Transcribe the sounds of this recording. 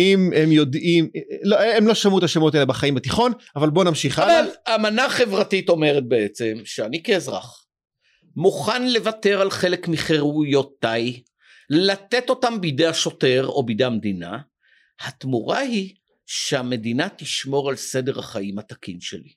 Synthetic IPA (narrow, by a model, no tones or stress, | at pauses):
imemjo̞d̪imloemlo̞ʃamuet̪aʃemot̪aelebaχaimbat̪iχo̞navalbo̞namʃiχavaamanaχe̞vʁatito̞me̞ʁet̪̚beet͡se̞mʃeanikeːzʁa̰χ | muχanle̞vate̞ʁalχe̞le̞kmiχeʁujot̪aj | llat̪e̞to̞tambidejaʃo̞te̞ʁo̞̰bid̪ejamedina̰ | hat̪muʁahi | ʃeame̞dinat̪iʃmo̞ʁalse̞de̞ʁaχaimat̪akinʃḛli